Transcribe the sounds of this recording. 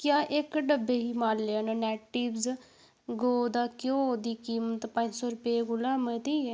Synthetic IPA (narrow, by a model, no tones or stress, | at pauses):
kjaːʔɪkɖəbeːɦiːmaːlːeːaːnãːnɛːʈibz | ɡoːd̪aːkjõːd̪iːkiːmət̪pəɲd͡ʒsɔːɾʊpeːɡʊlaːmət̪iːɛː